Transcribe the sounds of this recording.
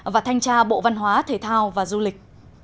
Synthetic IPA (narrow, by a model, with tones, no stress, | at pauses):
vaː˨˩t̪ʰa˧jŋ̟t͡ɕaː˧ɓo̰˧˨va˧nɦwaː˨˦t̪ʰe˨˩t̪ʰaː˧wvaː˨˩zu˧lï˨˩k̟̚